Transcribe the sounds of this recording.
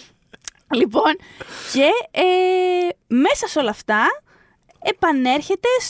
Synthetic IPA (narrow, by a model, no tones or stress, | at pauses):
lipo̞nce̞e | me̞sɐso̞lɐːft̪ɐ | epɐne̞ɾçe̞t̪e̞s